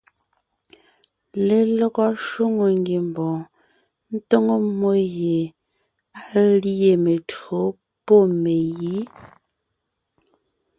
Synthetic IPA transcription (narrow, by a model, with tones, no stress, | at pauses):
le˨lo˦ɣɔ˦ʃo˦ŋo˨ŋɡi˨m˨bɔ̃ː˨ | n̩˦to˦ŋo˦mo˦je˨ | a˨˦lje˨me˨tɰo˨˦ | po˦˨me˨ji˨˦